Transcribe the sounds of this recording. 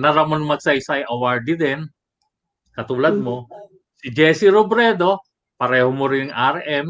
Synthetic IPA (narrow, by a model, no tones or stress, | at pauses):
nɐɾɐmonmɐɡ̚sɐjɪsajʔɐwaɹd̪ɪd̪ɛn | kɐt̪uːlɐd̪̚mo̞ | sɪd͡ʒɛsɪɾobɾɛːd̪o̞ | pɐɾɛːhomoɾɪnŋʔaɾʔɛm